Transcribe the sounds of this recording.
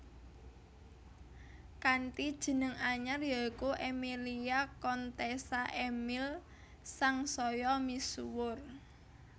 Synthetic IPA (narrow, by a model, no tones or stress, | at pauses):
kanʈid̥ʒ̥ə̤nəŋaɲarjɔkuʔemiliakɔnt̪esaʔemɪl | saŋsɔjɔmisuwʊr